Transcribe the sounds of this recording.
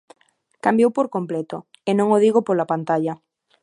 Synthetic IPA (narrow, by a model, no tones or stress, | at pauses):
kambjowpoɾkomplet̪o | enõŋoðiɣopolapant̪aʎɐ